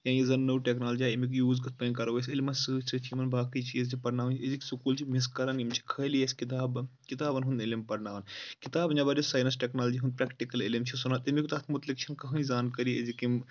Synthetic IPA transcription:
jãːjizɐnːɐwʈeknaːlɐd͡ʒiaːimikjuːzɡɐt̪̚ʰpɐnʲkɐɾɐʋesʲilimɐnsɨt͡ʃʰɨt͡ʃʰimɐnbaːkit͡ʃʰiːzt͡ʃʰipɐɾnaːʋnt͡ʃʰeziksukuːlt͡ʃʰimiskɐɾanimt͡ʃʰi̥kʰɐlijesʲkit̪aːbkit̪aːbɐnɦund̪ɪlimpɐɾnaːʋɐnkit̪aːbnʲaːbaɾisaːjnɐsʈʲeknaːlɐd͡ʒiɦund̪̚pɾɛːkʈikɐlɪlimt͡ʃʰisunaːt̪ɐmikt̪ɐt̪ʰmut̪likt͡ʃʰɐnkɐɦɨ̃zaːnkɐɾiḛzikim

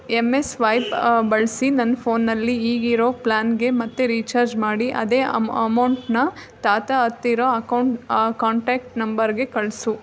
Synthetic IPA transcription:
emesʋɐjpbɐɭsinɐnːpʰoːnːɐlːiiːɡiɾo̞ːplaːnɡe̞mɐt̪ːeɾiːt͡ʃaːɾd͡ʒmaːɽiʔɐ̰d̪eːɐmɐwɳʈnɐt̪aːt̪ɐɐt̪ːiɾoːɐkɐwɳʈkaːɳʈaːk̚ʈnɐmbɐɾɡe̞kɐɭsu

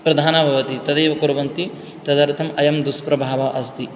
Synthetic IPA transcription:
pɾɐd̪ʱaːnɐbʱɐʋɐt̪it̪ɐd̪eːʋɐkuɾɐʋɐnt̪i | t̪ɐd̪ɐɾt̪ʰɐmɐjɐmd̪uspɾɐbʱaːʋɐʔɐst̪i

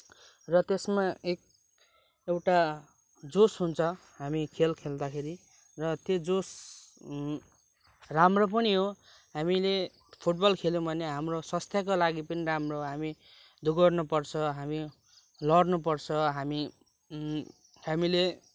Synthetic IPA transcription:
rʌt̪esmaek̚ | ewʈa | d͡zosɦunt͡sʰʌ | ɦamikʰelkʰeld̪akʰeɾi | rʌt̪jod͡zos | ramrop̬ʌniɦo | ɦamile | pʰuʈ̚bʌlkʰelũbʱʌneɦamrosʌst̪ʰjakolaɡipʌniɾamroɦoɦami | d̪uɡʌrnupʌrt͡sʰʌɦami | lʌɽnup̬ʌrt͡sʰʌɦami | hamile

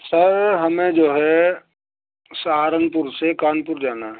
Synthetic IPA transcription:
səɾɦɐmẽd͡ʒoːɦɛ | saːɾənpʊɾsekaːnpʊɾd͡ʒaːnaɦɛ

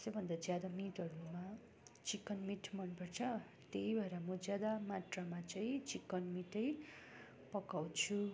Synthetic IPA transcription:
ʌsʌbʱʌnd̪ad͡zjad̪amit̪ʌɾuma | t͡sikːʌnmiʈmʌnpʌrt͡sʰʌ | t̪eibaeɾamʌd͡zjad̪amaʈramat͡saĩt͡sikːʌnmiʈʌj | pʌkawt͡sʰu

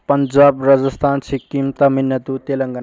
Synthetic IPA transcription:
pɐnd͡ʒaːbɾad͡zɐst̪ʰansʰikːimt̪aminjɐt̪ut̪eləŋɡɐn

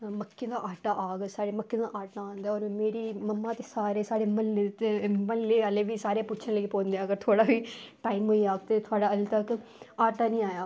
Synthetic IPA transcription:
məkːẽːd̪aːʔaːʈaːʔaːɡsaːɽeːməkːẽːd̪aːʔaːʈaãːnd̪aːɔːɾmeːɾiːməmːãːt̪eːsaːɾeːsaːɽeːməlːet̪ːeməlːeːaːleːʋiːsaːɾeːpʊtːt͡ʃʰənləipoːnd̪ejaːəɡəɾt̪ʰoːɽaːʋiːʈaːimɦoːiːaːɡ̚t̪eːt̪ʰʊaːɽaːəlt̪əkaːʈaːnĩːaːjaː

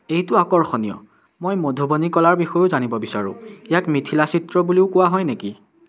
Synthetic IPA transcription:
ejtʊakɔɹxɔnijɔ̰ | mojmɔdʱubɔnikɔlaɹbixɔjʊzanibɔbisaɹʊ̰̃ijakmitʰilasitɹɔbuliʊkʊwaɦɔjneki

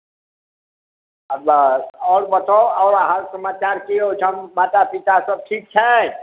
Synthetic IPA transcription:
əbəsɔːɾbət̪oɔːɾɦəɾsəmat͡ʃaɾkiot͡ʃʰəmːat̪apit̪asəb̚ʈʰik̚t͡ʃʰɛ

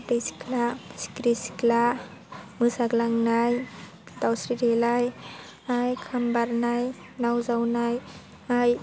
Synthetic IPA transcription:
tejsi̥klasi̥kɾisi̥kla | mɯsaɡlaŋnaj | dawsɾiɾelaj | ajkʰambaɾnaj | nawzawnaj | aj

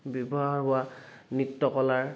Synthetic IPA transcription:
bibɔɦaɹɦʊwanitːɔkɔlaɹ

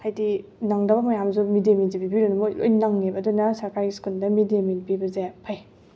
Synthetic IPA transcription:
kʰajdinaŋdɐbɐmɐjamzumideminzibibiɾunumojlo̰jnaŋnebɐdunɐsaɾkaɾɡiskuldɐmideminpibɐzepʰaj

